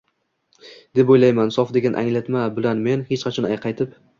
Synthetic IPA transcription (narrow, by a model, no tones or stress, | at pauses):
d̪e̞pojlajmansɒfd̪e̞ɡʲanʔa̰ŋlat̪mabɪlanme̞nhet͡ʃqʰɑt͡ʃʰɒnajqʰɑjt̪ʰɪp̚